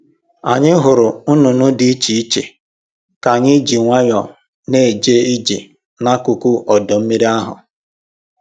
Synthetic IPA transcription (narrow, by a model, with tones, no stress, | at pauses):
a˨ɲɪ˦ɦʊ˨ɾʊ˨ʊ˦nʊ˨nʊ˦dɪ˨˦i˦t͡ʃi˨i˦t͡ʃḛ˨ | ka˨ɲɪ˦d͡ʒi˨ŋʷa˦ɲɔ˨ | ne˦˨d͡ʒe˦i˦d͡ʒi˨ | na˦kʊ˨ku˦ʔɔ˨dɔ˨m̩˦me˦ɾi˦a˦ɦʊ̰˨